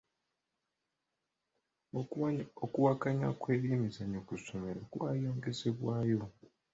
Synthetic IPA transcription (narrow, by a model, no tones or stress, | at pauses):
ookuwakaɲa̰kweːɾiːmizaɲokusomeɾakuwaːjoːŋɡe̞se̞βwaːjo̞